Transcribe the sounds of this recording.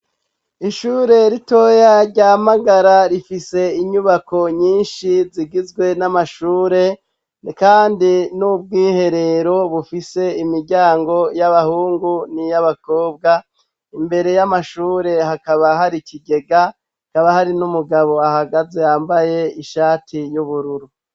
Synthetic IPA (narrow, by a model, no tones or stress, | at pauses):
iʃuːɾe̞ɾito̞jaɾɟamaɡaɾaɾifise̞iɲuβako̞ɲiːnʃiziɡizɡwe̞namaʃuːɾe̞ | kaːndinub̚ɡiːhe̞ɾe̞ɾo̞βufise̞imiɾɟaːŋɡo̞jaβahuːŋɡunijaβako̞ːb̚ɡa | imbe̞ɾe̞jamaʃuːɾe̞hakaβaɦaɾikiɡe̞ɡa | kaβahaɾinumuɡaβo̞ahaɡaze̞jaːmbaje̞iʃaːtʰijuβuɾuɾu